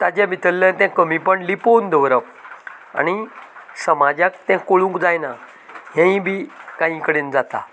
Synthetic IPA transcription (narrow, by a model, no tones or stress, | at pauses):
t̪ad͡ʑãbit̪əlːə̃t̪ãkəmĩpəɳlipond̪əʋɾəp | a̰ñisəmad͡ʑãkt̪jãkoɭũŋkd͡zajna | ɦjãĩbʱiːkaɦĩkəɽend͡zat̪a̰